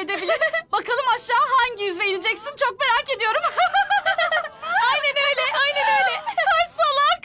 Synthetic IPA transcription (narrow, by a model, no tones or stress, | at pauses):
ed̪ebilʲinbakalˠɯmaʃːaːɦaɲɟijyzlʲeinid͡ʒɛcsint͡ʃʰo̞k̚me̞ɾace̞d̪ijo̞ɾum | ajnænøjlʲɛʔajnɛnøjlʲɛaʃsolˠak